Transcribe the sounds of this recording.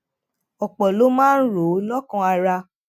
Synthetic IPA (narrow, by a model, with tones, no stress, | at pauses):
ɔ˨k͡pɔ˨lo˨˦mãː˦n̩˦ɾo˨˦lɔ˦kã˧a˧ɾa˧